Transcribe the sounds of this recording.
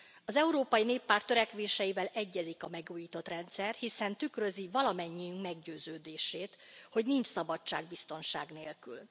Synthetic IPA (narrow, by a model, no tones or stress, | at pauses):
ɒzɛuɾoːpɒjineːpːaːrt̪ːøɾɛkʋeːʃɛjivɛlɛɟːɛzikɒmɛɡuːjiːt̪o̞t̪rɛnt̪sɛrhisɛnt̪ykrø̞zivɒlɒmɛɲːijyŋkmɛɡɟøːzøːd̪eːʃeːt̪ho̞ɟniɲt͡ʃsɒbɒt͡ʃːa̰ːɡ̚bist̪o̞nʃaːɡnḛːlky̰l